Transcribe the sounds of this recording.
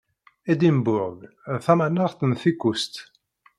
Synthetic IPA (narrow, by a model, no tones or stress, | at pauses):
æd̪imbʊʁɡ | θæmænəɾθənθikːust̪